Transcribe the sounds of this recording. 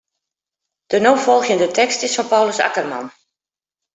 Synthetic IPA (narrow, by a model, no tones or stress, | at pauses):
d̥ənowfɔlˠxjəndətɛkstɪsfɑnpawləsa̰kərma̰n